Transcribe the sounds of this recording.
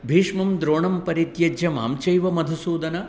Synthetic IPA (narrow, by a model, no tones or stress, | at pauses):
bʱiːʂmɐmd̪ɾoːɳɐmpɐɾit̪jɐd͡ʒʱjɐma̰ːmt͡ʃɐjʋɐmɐd̪ʱusuːd̪ɐnɐ